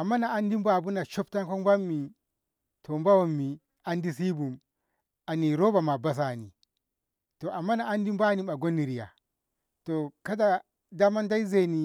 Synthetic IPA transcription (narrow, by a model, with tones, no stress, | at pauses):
a˨mːa˦na˨a˦ndi˦mba˨bu˦na˨ʃo˦p̚ta˦ŋko˦ŋba˦mːi˨ | tʰo˨mba˦wo˦˨mːi˨ | a˦ndi˦si˦bu˨m | a˨ni˨ɾo˦ba˨ma˨ba˦s̬a˨nḭ˨ | to˨ʔa˨mːa˦na˨a˦ndi˦mba˦ni˦ma˨ɡo˦nːi˨ɾi˨ja̰˨ | to˨ka˦da˨ | da˦ma˦nda˦i˦ze˦˨ni˨